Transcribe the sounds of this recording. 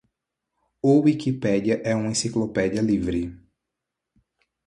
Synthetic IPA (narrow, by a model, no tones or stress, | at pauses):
ʊwikipɛd͡ʒiɐʔɛũmẽsiklopɛd͡ʒiɐlivɾɪ